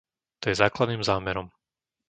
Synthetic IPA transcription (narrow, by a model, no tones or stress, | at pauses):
t̪ɔjɛzaːklad̪niːmzaːmɛɾɔm